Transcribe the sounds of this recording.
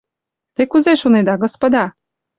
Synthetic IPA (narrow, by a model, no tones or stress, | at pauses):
t̪ekuzeʃoned̪ɑɡospod̪ɑ